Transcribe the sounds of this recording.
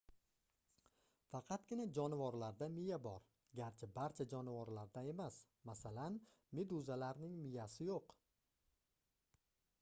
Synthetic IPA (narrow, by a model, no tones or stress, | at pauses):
fɑqʰɑt̪̚ɡʲɪnad͡ʒɒnɪvɒɾlaɾd̪amɪjabɒɾ | ɡʲaɾt͡ʃʰɪbaɾt͡ʃʰad͡ʒɒnɪvɒɾlaɾd̪ae̞mas | masalan | med̪uzalaɾnɪŋmɪjasɪjoq